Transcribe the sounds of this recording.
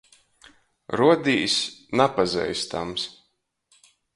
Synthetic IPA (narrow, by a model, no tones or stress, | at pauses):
ɾuɔd̪iːsʲnapazɛ̰jst̪a̰ms